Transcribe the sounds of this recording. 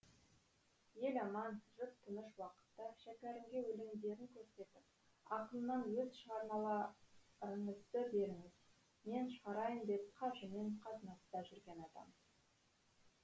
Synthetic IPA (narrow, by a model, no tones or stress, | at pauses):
je̞lɑmɑnʒət̪ʰːʊnəʃwɑqə̥t̪ːəʃækʲæɾɪmɡʲe̞wɵleŋd̪e̞ɾɪŋkʲʰɵɾse̞t̪ɪp̚ | ɑqəlˠnɑnwɵzʃəʁɑɾmɑlˠɑ | əɴəzd̪əbe̞ɾɪŋɪz | me̞nʃəʁɑɾɑjəmd̪e̞p̚qʰɑʒɪmeɴqʰɑt̪ənɑst̪ɑʒʏɾɡʲe̞nɑd̪ɑ̰m